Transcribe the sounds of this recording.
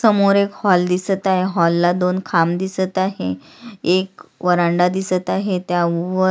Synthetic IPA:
səmoɾekhɔld̪isət̪aɦeɦɔlːad̪onkʰamd̪isət̪aɦe | ekʋəɾaɳɖad̪isət̪aɦet̪jaʋə

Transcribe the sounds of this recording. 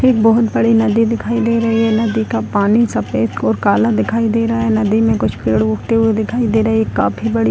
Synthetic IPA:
eːk̚bɔɦʊt̪bɐɽinɐd̪id̪ɪkʰaːid̪eːɾɐɦiɦɛnɐd̪ikapaːnisɐpeːskɔːɾkaːlad̪ɪkʰaːid̪eːɾɐɦaɦɛnɐd̪imẽkʊt͡ʃʰpeːɽʊkʈ̪eɦued̪ɪkʰaːid̪eːɾɐɦikaːpʰibɐɽi

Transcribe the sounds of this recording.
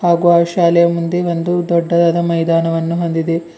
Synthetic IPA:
haːɡuaːʃaːlɛjɐmund̪e̞ʋond̪ud̪ɔɖːɐd̪ɐd̪ɐmɐjd̪aːnɐʋɐnːuɦo̞nd̪id̪e

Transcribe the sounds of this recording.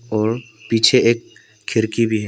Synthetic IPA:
ɔːɾ | piːt͡ʃʰeʔeːkʰː | ɪɾkibʱiɦɛː

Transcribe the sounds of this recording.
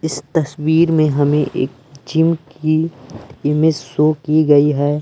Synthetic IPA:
ɪst̪ɐswiːɾmẽɦɐmẽʔḛːk | d͡ʒɪmki | ɪmɪssokiɡɐiɦɛː

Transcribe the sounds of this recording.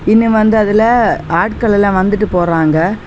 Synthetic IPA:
ɪnːɯʋɐnd̪ɯɐðɪlɐaːʈkɐɭɛlãːʋɐnd̪ɯʈːɯpoːɾaːŋɡɐ

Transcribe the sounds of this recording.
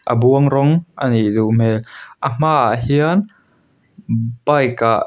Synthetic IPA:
ʔə̰buəŋɾɔŋʔəniʔduʔm̥ɛlʔəm̥aːɦiən | bajkaʔ

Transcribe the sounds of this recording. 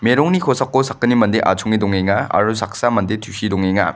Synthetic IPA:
meɾɔŋnikʰosakːosakːɯnimɐndeʔa̰t͡ʃʰoŋidɔŋeŋaa̰ɾusak̚samɐndetʰusidɔŋeŋa̰

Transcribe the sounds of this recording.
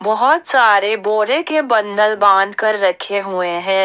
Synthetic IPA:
bɔɦɔt̪saːɾeboːɾẽkebɐ̃nd̪əlbãːnd̪ʱkɐɾːɐkʰeɦueɦɛ̃ː

